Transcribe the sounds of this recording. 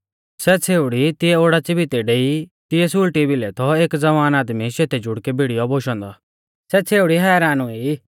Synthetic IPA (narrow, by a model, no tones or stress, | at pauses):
sɛt͡sʰeːʊɽit̪ɪɛoːɽat͡sɪbit̪ɛɖeːit̪ɪjɛsuːlʈibɪlɛt̪ʰɔeːkd͡zɐʋaːnaːd̪miʃet̪ʰɛd͡ʒʱʊɽkɛbʱiɽijɔboʃɔ̃ːnd̪ɔ | sɛt͡sʰeːuɽiɦɛːɾaːnũe